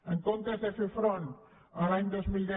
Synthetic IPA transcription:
əŋkont̪ɾəzefefɾon | əlaɲd̪ozmilˠd̪ɛ

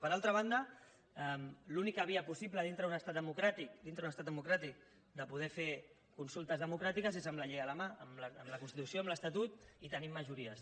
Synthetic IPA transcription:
pəɾalˠt̪ɾəβ̞and̪ə | ɛmlunikəβiəpusipləð̞int̪ɾəunəst̪at̪əmukɾat̪ik̚d̪int̪ɾəðunəst̪at̪d̪d̪əmukɾat̪ik̚ | d̪əpuð̞ɛfe | kunsulˠt̪əzð̞əmukɾat̪ikəzezəmləʎejələmaəmləmləkunst̪it̪usioəmləst̪ət̪ut̪it̪ənimːəʒuɾiəs

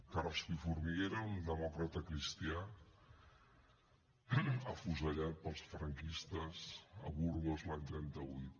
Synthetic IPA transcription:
karlspifuɾmiɣeɾəund̪əmɔkɾət̪əkɾist̪ia | əfuzəʎat̪̚pəlˠsfɾəŋkist̪əzə̰βuɾɣozlaɲt̪ɾɛnt̪əβujt̪

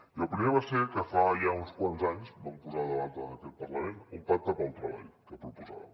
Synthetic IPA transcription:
iəlˠpɾimeβ̞aseɾkəfajaunskwanzaɲzbampuzaðəβant̪əəkɛt̪̚pərləmenumpak̚t̪əβɔlˠt̪ɾəβa̰ʎkəpɾupuza̰βə̰

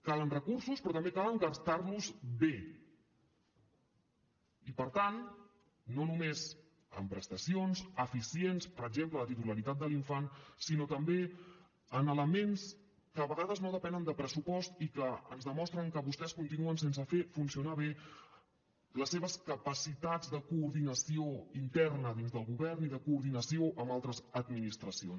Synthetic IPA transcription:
kalənrəkursuspɾɔt̪əmbekaləŋɡəɾt̪arluzbe | ipəɾt̪an | nonumez | ə̰mpɾəst̪əsionzəfisienspəɾəɡ̚zemplələt̪it̪uləɾit̪at̪d̪əliɱfansinot̪əmbe | ənələmens | kəβəɣaðəznoðəpɛnənd̪əpɾəsupɔst̪ikəənzðəmɔst̪ɾəŋkəβust̪ɛskunt̪inuənsensəfefunsiunaβe | ləsːeβəskəpəsit̪ad͡zd̪əkuːɾðinəsioint̪ɛrnəðinzðəlˠɣuβɛrniðəkuːɾðinəsioʔəmalˠt̪ɾəzəd̪minist̪ɾəsions

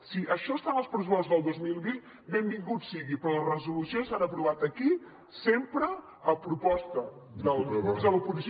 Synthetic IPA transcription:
siʔəʃɔst̪anəlˠspɾəs̬upɔst̪uzðəlˠd̪ozmilˠβin | bembiŋɡut̪siɣipɾɔlərəzulusjonsanəpɾuβat̪əki | sempɾəː | pɾupɔst̪əðəlðəlupuɾʃ

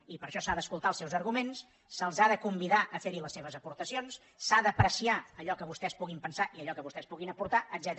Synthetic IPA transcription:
ipəɾʃɔsaðəskulˠt̪alˠsɛwzəɾɣumensː | əlˠzaðəkumbiðaʔəfeɾiləsːeβ̞əzəpuɾt̪əsionsː | aðəpɾəsiaəʎɔkəβust̪ɛspuɣimpənsaʔiəʎɔkəβust̪ɛspuɣinəpuɾt̪aəd̪zɛt̪

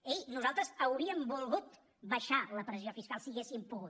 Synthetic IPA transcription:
eʎnuzalˠt̪ɾəzəwɾiəmbulˠɣut̪ | βəʃaləpɾəziofiskalˠsiːɣesimpuɣut̪̚

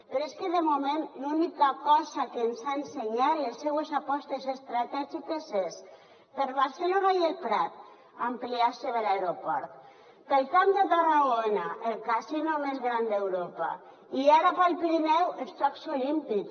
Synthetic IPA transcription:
peɾoeskeðemomẽnlunikakɔzakensaenseɲalesːewesapɔst̪esest̪ɾat̪ɛʒikezes | peɾβaɾselonajelpɾat̪̚ | ampliaseβelaeɾopɔɾt̪ | pelkamd̪et̪araɣonaʔelkasinomezɣɾand̪ewɾopa̰ | iaɾapalpiɾimɛwest͡ʃɔksolimpik

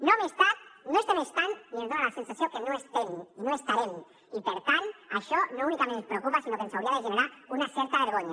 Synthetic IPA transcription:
nomest̪at̪noest̪emest̪anniezðoalasensasjokenoest̪eminoest̪aɾem | ipeɾt̪anaʃonounikamenpɾeokupasino̞kensawɾiaðeʒeneɾaɾunasjeɾt̪aβeɾɣ̞oɲa

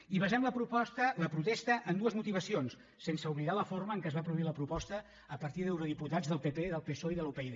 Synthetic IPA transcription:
iβəzɛmləpɾupɔst̪ələpɾut̪est̪əʔənd̪uəzmut̪iβ̞əsionsːensəuβliðaləforməːŋkɛzβapɾuðuiləpɾupɔst̪əː | pəɾt̪iðewɾuðiput̪ad͡zðəlˠpepeðəlˠpesoiðəlupeiðe

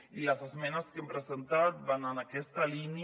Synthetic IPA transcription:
ilazezmɛnaskempɾezent̪at̪̚bananakɛst̪alini

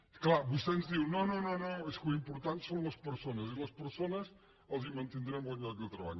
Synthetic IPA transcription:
klˠaβust̪enzðiwnonõnõnoeskuimpuɾt̪ant̪sõw̃lɐspəɾsonɐzilɐspəɾsonɐs | əlˠzimɐ̃nt̪end̪ɾɛmlɐɣakelˠt̪ɾɐβa̰ʎu

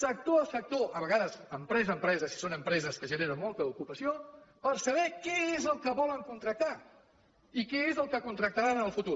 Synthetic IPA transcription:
sək̚t̪oəlˠsək̚t̪oʔəβəɣaðəzəmpɾɛzəmpɾɛzəsi̥sonəmpɾɛzəskəʒəneɾəmɔlˠt̪əukupəsiopəɾsəβɛkɛezəlˠkəβɔləŋkunt̪ɾək̚t̪a | ikɛezəlˠkəkunt̪ɾək̚t̪əɾanənəlˠfut̪u

